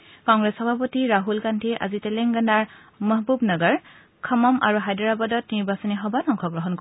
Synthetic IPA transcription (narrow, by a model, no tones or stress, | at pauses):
kɔŋɡɹɛsxɔbʱapɔtiɹaɦulkantʰiʔa̰zitɛlɛŋɡanaɹ | məɦbubnəɡəɹ | kʰəmɔmʔa̰ɹuɦajdɔɹabadɔtniɹbasɔniɦɔbanɔŋkʰɔɡɹɔɦɔnk